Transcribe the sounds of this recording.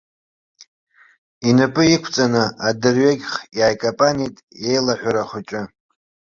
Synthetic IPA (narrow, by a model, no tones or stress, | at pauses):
inapʼɨikʷʰt͡sʼanɨʔadɨrɥeɡʲχjaːjkʼopʼanitʼje̞jlaħʷᶣaɾaχʷʊt͡ʃʼɪ